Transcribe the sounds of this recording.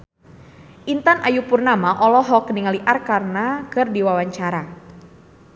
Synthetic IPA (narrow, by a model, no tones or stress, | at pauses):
ʔint̪anʔajupurnamaʔɔlɔɦɔkəniŋaliʔarkarnakɨrdiwawaɲt͡ʃaɾa